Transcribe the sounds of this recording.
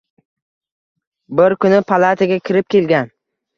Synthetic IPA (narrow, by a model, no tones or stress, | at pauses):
bɪɾkʰʊnɪpʰalˠat̪ʰaɡʲakʲʰɪɾɪp̚kʲʰe̞lɡʲan